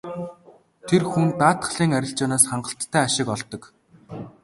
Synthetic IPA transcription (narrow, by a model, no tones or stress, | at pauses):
t̪ʰerxunt̪aːt̪χə̆ɮiːŋæɾʲɪ̆ɬt͡ɕaːnaːsχaɴɢə̆ɬt̪ʰːæːaʃɪ̆kɔɮt̪ɞ̆k